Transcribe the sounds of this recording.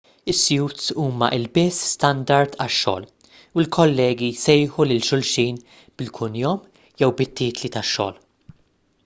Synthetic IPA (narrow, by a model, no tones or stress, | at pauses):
ɪsːjuːt̪suːmɐ̰ʔɪlbɪsːst̪ɐnd̪ɐɾt̪ɐʃːɔ̰ːl | uɪlkʰɔlːɛːɡisɛjħulɪlʃʊlʃiːn | b̥ɪlkʰʊnjɔm | jɛwbɪt̪ːiːt̪lit̪ɐʃːɔ̰ːl